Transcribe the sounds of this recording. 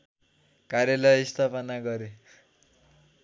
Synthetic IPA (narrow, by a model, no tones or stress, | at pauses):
kaɾjalʌjist̪ʰapʌnaɡʌɾe